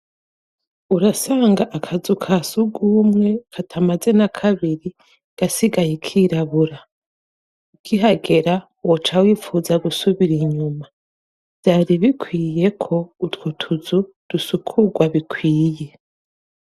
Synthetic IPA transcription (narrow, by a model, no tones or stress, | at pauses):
uɾasaːŋɡaʔakʰazukʰasuɡuːmŋe̞kʰatʰamaze̞nakʰaβiɾi | ɡ̥asiɡajekʰiɾaβuɾa | uɡ̥iɦaɡe̞ɾa | wot͡ʃawiːfuːzaɡusuβiɾiɲuma | v̥z̥aːɾiβikʰwiːje̞kʰo̞utwutʰuzu | d̥usukʰuɡwaβikʰwiːje̞